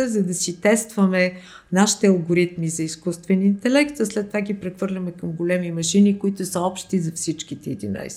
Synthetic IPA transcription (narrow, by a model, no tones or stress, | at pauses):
zɐd̪ɐsit̪ɛst̪vɐmɛ | naʃi̥t̪ɛɐlˠɡoɾit̪mizɐiskust̪vɛnːnt̪ɛlɛkt̪zɐslɛt̪ːovaɡipɾɛxvɤɾlʲɐmɛkɐmɡʊlɛmimɐʃinikʊit̪ʊsəɔpʃt̪izɐfsit͡ʃkit̪ɛid̪ina̰js